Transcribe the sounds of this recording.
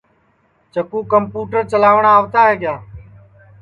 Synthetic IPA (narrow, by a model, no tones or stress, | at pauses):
t͡ʃəkuːkəmpuːʈəɾt͡ʃəlaːʋɳaːʋt̪aːɦeːɠɪjaː